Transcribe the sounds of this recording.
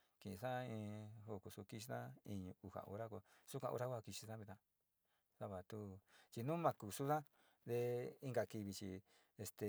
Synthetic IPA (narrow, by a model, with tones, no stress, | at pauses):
ki˨ĩ˧sã˦ĩ˧ho˧˨ku˨su˧ki˧ʃi˧˦ã˦ĩ˧ɲũ˧u˧ha̰˧˨ʔo̰˧ɾa˦ko˧su˦kʷã˧ʔo̰˧ɾa˦kʷa˦˧˨ki˧ʃi˧tã˦βi˧t̪ã˧ | sa˦˧βa˨t̪u˦t͡ʃi˧nũ˦mã˧ku˨su˦ðã˦ | ðe˧i˦ŋɡa˧ki˧βi˧t͡ʃḭ˧ | e˧st̪e˨